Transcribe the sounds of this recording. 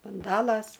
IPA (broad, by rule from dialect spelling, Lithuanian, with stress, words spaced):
bʊnˈdɑːlˠɐs